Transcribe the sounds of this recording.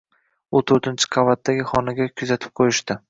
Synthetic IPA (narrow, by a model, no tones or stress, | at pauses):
ʊt̪ʰɵɾt̪ʰɪnt͡ʃʰɪ̥qʰɑvat̪̚ːaɡʲɪχɒnaɡʲakʲʰʊzat̪ʰɪ̥p̚qʰojɪʃt̪ɪ